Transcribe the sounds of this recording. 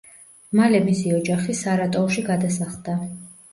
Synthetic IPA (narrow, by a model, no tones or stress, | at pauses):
malɛmisiɔd͡ʒaχisaɾat̪ʼɔʃiɡad̪asaχd̪a